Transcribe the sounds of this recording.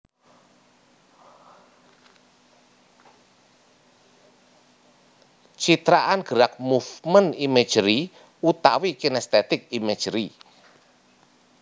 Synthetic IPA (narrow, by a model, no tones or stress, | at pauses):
t͡ʃit̪ɾaʔanɡ̥əɾak̚muvmənime̥ʒ̥ɾi | ut̪a̰wikinɛst̪et̪ɪk̚ime̥ʒ̥ɾi